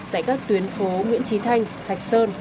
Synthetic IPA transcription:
t̪a̰ː˧˨jkaː˦˥k̚t̪wi˨˦ənfo˨˦ŋwḭ˧˥ənt͡ɕi˨˦t̪ʰa˧jŋ̟t̪ʰa˨˩jk̟̚səː˧n

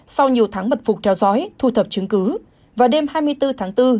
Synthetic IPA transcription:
sa˧wɲi˨˩əwt̪ʰaː˨˦ŋmə˨˩t̚fʊ˨˩k͡p̚t̪ʰɛ˨˦wzɔ˨˦jt̪ʰu˨˩t̪ʰə˨˩p̚t͡ɕɨ˨˦ŋkɨ˨˦ | vaː˨˩ɗe˧mɦaː˧jmɨ˧əjt̪ɨ˧t̪ʰaː˨˦ŋt̪ɨ˧

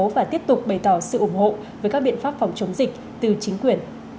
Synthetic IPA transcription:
vaː˨˩t̪i˦˥əp̚t̪ʊ˨˩k͡p̚ɓə˨˩jt̪ɔ˧˩sɨ̰˧˨ʔʊ˧˩ŋ͡mho̰˧˨ | vəː˨˦jkaː˦˥k̚ɓḭ˧˨ənfaː˦˥p̚fɔ˨˩wŋ͡mt͡ɕə˨˦ŋ͡mzï˨˩k̟̚ | t̪ɨ˨˩t͡ɕï˨˦ŋ̟kwi˨˩ən

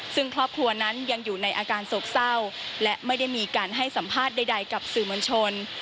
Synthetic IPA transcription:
sɯ˥˩ŋkʰɾɔː˥˩p̚kʰɾu˧ɐna˦˥nja˧ŋjuː˨˩na˧jʔaː˧kaː˧nso˨˩k̚sa˥˩wlɛ˦˥ʔma˥˩jda˥˩jmiː˧kaː˧nɦa˥˩jsa˩˦mpʰaː˥˩t̪̚da˥˩jda˧jka˨˩p̚sɯː˨˩mo˧nt͡ɕʰo˧n

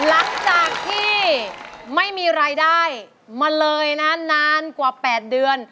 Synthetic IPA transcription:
la˨˦˥ŋt͡ɕaː˨˩k̚t̪ʰiː˥˩ | ma˥˩jmiː˧ɾaː˧jdaː˥˩j | maː˧lɤː˧jna˦˥naː˦˥nkwaː˨˩pɛː˨˩t̪̚dɯ˧ən

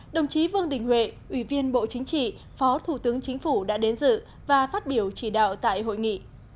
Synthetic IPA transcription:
ɗə˨˩wŋ͡mt͡ɕi˨˦vɨ˧əŋɗï˧˩ŋ̟hwḛ˧˨ʔwi˧˩vi˧ənɓo̰˧˨t͡ɕï˨˦ŋ̟t͡ɕḭ˧˨ | fɔ˨˦t̪ʰu˧˩t̪ɨ˨˦əŋt͡ɕi˨˦ŋ̟fu˧˩ɗa̰ː˧˥ɗe˨˦nzɨ̰˧˨ | vaː˨˩faː˦˥t̚ɓi˧˩əwt͡ɕi˧˩ɗa̰ː˧˨wt̪a̰ː˧˨jɦo̰˧˨jŋḭ˧˨

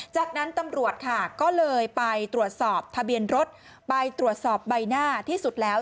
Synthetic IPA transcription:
t͡ɕaː˨˩k̚na˦˥nt̪a˧mɾu˨˩ət̪̚kʰa˥˩kɔː˥˩lɤː˧jpa˧jt̪ɾu˨˩ət̪̚sɔː˨˩p̚t̪ʰa˧bi˧ənɾo˦˥t̪̚ | pa˧jt̪ɾu˨˩ət̪̚sɔː˨˩p̚ba˧jnaː˥˩t̪ʰiː˥˩su˨˩t̪̚lɛː˦˥

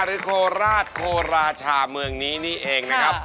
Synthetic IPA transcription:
ɾɯː˦˥kʰoː˧ɾaː˥˩t̪̚kʰoː˧ɾaː˧t͡ɕʰaː˧mɯ˧əŋniː˦˥niː˥˩ʔeː˧ŋna˦˥kʰa˦˥p̚

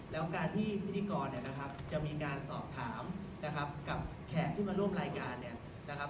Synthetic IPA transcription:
lɛː˦˥wkaː˧nt̪ʰiː˥˩i˦˥t̪ʰːi˧˩kɔː˧nːi˥˩ɐna˦˥kʰa˦˥p̚t͡ɕa˨˩miː˧kaː˧nsɔː˨˩p̚t̪ʰaː˩˦m | na˦˥kʰa˦˥p̚ka˨˩p̚ | kʰɛː˨˩t̪̚t̪ʰːiː˥˩maː˧ɾu˥˩əmɾaː˧jkaː˧nːi˥˩ɐ | na˦˥kʰa˦˥p

